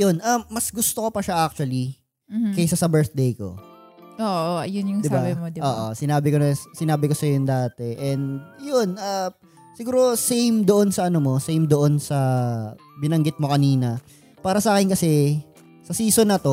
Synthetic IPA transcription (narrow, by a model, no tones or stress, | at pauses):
jonʔɐːɐsɡʊst̪oko̞pɐʃaʔak̚t͡ʃʊɐli | kɐjsasɐbɛɹθ̚d̪ejko̞̰ʔoʔjʊnjʊŋd̪ɪababɪmod̪ɪoːʔo̰sɪnaːbɪkoɐsɪnaːbɪko̞sɐjond̪aːt̪ɛʔɛndd̪̚jonʔɐ | sɪɡuːɾo̞sejmd̪oʔo̞nsɐʔɐnomo̞sejmd̪oʔonsɐ | bɪnɐŋɡɪt̪̚mo̞kɐniːnɐ | paːɾɐsɐʔaːkɪnkɐsɛ | sɐsiːsonːɐt̪o̞